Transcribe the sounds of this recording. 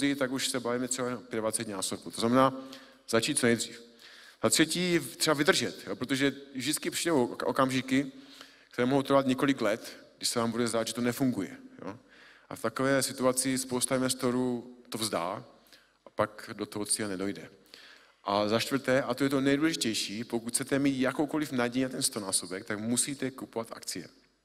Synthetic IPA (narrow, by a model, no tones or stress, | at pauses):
ɪt̪akuʃsɛbaviːmɛt̪rɛbaɛnapjɛddvat͡sɛcnaːsobut̪oznamɛnaː | z̥at͡ʃiːt̪t͡soɛjd̪r̝iːf | z̥at̪rɛciːt̪rɛbavɪd̪r̩ʒɛt̪jopɾot̪oʒɛvʒdɪt͡skɪpriːdɛwʔo̰kamʒɪkɪ | kt̪ɛɾɛːmoɦowt̪ɾvat̪ɲɛko̞lɪklɛt̪ɡdɪʃsɛvaːmbudɛzd̪aːd̪ʒɛt̪onɛfuŋɡujɛ̰jo̰ | ʔa̰ft̪akovɛːsɪt̪uat͡sɪspo̞wst̪ainvɛst̪o̞ɾuːt̪ovzda̰ː | ʔapakdot̪oɦot͡sianɛdojdɛ̰ | ʔazaʃt̪vr̩t̪ɛːʔat̪ojɛt̪onɛjduːlɛʒɪcɛjʃiːpokuc̪ʰt͡sɛt̪ɛmiːt̪jakowko̞lɪfnaɟɛjat̪ɛnst̪o̞naːsobɛk̚t̪akmusiːt̪ɛkupovat̪a̰kt͡sɪjɛ̰